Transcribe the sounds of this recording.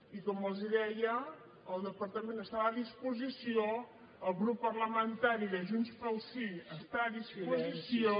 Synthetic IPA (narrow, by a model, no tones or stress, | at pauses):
ikɔməlˠziðɛjəː | lˠd̪əpəɾt̪əmẽnəst̪aβaːðispuzisio | əlˠɣɾupːərləmənt̪aɾiðəʒunspəlˠsiəst̪aːðispuzisio